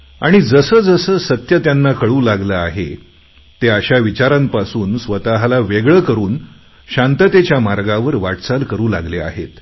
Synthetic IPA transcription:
aɽ̃id͡zəsəːd͡zəsəːsət̪jət̪janːakəɭuːlaɡləaɦḛ | t̪eaɕaʋit͡ɕaɾampasuːnsʋət̪aɦalaʋeɡɭəkəɾuːn | ɕãnt̪ət̪et͡ɕjamaɾɡaʋəɾʋaʈt͡salkəɾuːla̰ɡlea̰ɦḛt̪

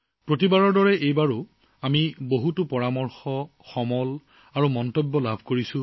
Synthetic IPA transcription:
pɹot̬ibaɹɔɹdɔɹɛʔejbaɹʊ | amiboɦutʊpɔɹamɔɹxɔ | xɔmɔl | aɹumɔntɔbːɔlabʱkoɹisʊ̃

